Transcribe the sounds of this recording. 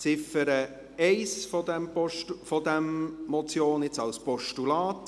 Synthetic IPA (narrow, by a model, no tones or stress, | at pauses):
t͡sɪfəɾə | ɛɪsfɔdɛmpɔʃfɔd̪ɛmmɔt͡sjoːnɪt͡sɑlspɔʃtulɑːt